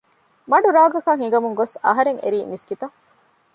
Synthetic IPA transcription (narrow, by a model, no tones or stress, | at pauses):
mɐɖuɾaːɡɐkɐŋhiɡɐmuŋɡosɐɦɐɾeŋḛɾiːmiskit̪ɐ